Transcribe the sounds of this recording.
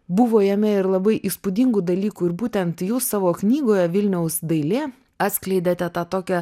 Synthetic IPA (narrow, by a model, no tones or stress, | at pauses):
bʊʋoːjɛmʲɛɪɾlˠɐbɐɪʔiːspʊd̪ʲɪŋɡud̪ɐlʲiːkuːɪɾbuːt̪ʲɛnt̪juːssɑːʋoːknʲiːɡoːjɛʋʲɪlʲnʲɛʊsd̪ɐɪlʲeː | ɐt̪sʲklʲɛɪd̪ʲet̪ʲɛt̪ɑːt̪oːkʲɛ